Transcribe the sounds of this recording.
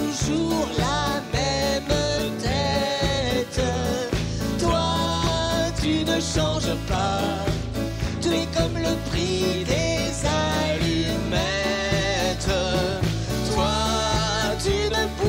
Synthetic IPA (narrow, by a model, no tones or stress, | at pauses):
uʒuʁlamɛmt̪ɛ | t̪ | t̪wa | t̪ynəʃɑ̃ʒpa | t̪yɛkɔmləpχid̪ezalimɛ | t̪ | t̪wa | t̪ynəp